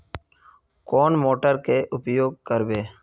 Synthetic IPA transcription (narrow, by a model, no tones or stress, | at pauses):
koːnmoːʈəɾkeːʔʊpjoːɡ̚kəɾbeː